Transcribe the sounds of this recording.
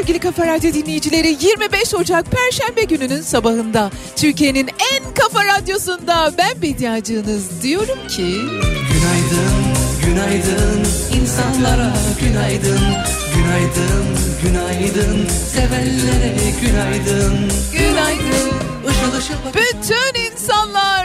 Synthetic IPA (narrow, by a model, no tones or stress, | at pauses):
øɾɟilʲikʰafaɾad̪jo̞d̪inlʲejid͡ʒilʲe̞ɾijiɾmibɛʃo̞d͡ʒak̚pʰæɾʃænbeɟynynynsabaɦɯnd̪at̪ʰyɾcijeninænkafaɾad̪jo̞sund̪abænbid̪ijad͡ʒɯːnɯzd̪ijo̞ɾumcʰiɟynajd̪ɯnɟynajd̪ɯninsanlˠaɾaɟynajd̪ɯn | ɟynajd̪ɯnɟynajd̪ɯnsevælːeɾɛɟynajd̪ɯnɟynajd̪ɯn | ʃalˠaʃb̥yt̪ʰyninsanlˠaɾ